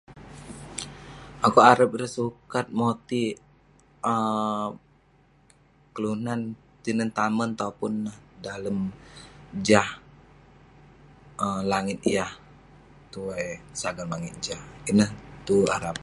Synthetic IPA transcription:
ʔakuaɾəp̚iɾəsukat̪̚mot̪i | ə | kəlunan | t̪inənt̪amənt̪aupʊnːahdaləm | d͡ʒah | əlaŋɪt̪̚ijah | t̪uasaɡarmaŋit̪̚d͡ʒahinəht̪ua̰ɾap̚

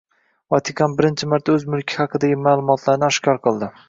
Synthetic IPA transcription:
vɒt̪ʰɪkʰɑnbɪɾɪnt͡ʃʰɪmaɾt̪ʰaɵzmʊlˠkʲʰɪhɑqʰɨd̪aɡʲɪmaːlˠʊmɒt̪ʰlaɾnɪaʃkʲʰɒɾqʰɨlˠd̪ɪ

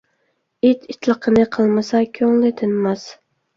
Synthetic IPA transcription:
it̪ʰɪt̪ʰlɨqʰɨnɪqʰɨlˠmasakʲʰɵŋlɪt̪ʰɪnmas

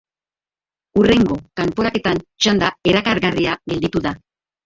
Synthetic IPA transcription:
ure̞ŋɡo̞kampo̞ɾake̞t̪ant͡ʃand̪ae̞ɾakaɾɣariaɣe̞ld̪it̪uða

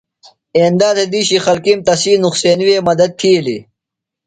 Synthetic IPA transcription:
eːnd̪aːzed̪iːɕixɐlkimt̪ɐsiːnuxseːnʋeːmɐd̪ɐd̪̚t̪ʰiːlḭ

